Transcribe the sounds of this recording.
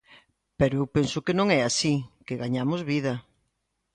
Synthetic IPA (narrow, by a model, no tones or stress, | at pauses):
peɾoewpensʊkɪnõŋɛasikeɣaɲamozβiðɐ